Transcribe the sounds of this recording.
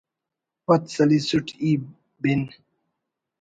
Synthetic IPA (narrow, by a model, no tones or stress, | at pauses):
pɐt̪sɐlisuʈʰi | bin